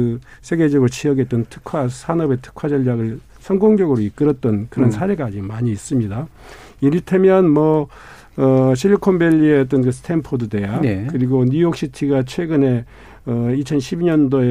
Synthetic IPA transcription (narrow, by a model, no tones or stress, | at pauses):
ɯsʰe̞ɡe̞d͡ʑʌɡɾot͡ɕijʌɡe̞t͈̚ʌntʰɯ̥kʰwasʰanʌbe̞tʰɯ̥kʰad͡ʑʌʎːaɡɯɭ | sʰʌŋɡoŋd͡ʑʌɡɯɾoik͈ɯɾʌt̚t͈ʌnkɯɾʌnsʰaɾe̞ɡaːd͡ʑimaɲiːs͈ɯmɲida | iɾitʰemjʌnmʌ | ɕ̬ʰiʎːikʰombeʎːieʌt͈ɯnkɯsɯ̥tʰempʰodude̞jakɯɾiɡoɲujok̚ɕ͈ʰitʰiɡat͡ɕʰwe̞ɡɯne̞ | ʌit͡ɕʰʌnɕʰibiɲʌndoe